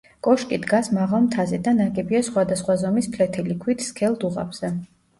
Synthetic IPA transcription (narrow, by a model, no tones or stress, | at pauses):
kʼɔʃkʼid̪ɡasmaʁalˠmt̪ʰazɛd̪anakʼɛbʼiɛsχwad̪asχwazɔmispʰlɛt̪ʰɛlikʰwit̪ʰskʰɛlˠd̪uʁa̰bz̥ɛ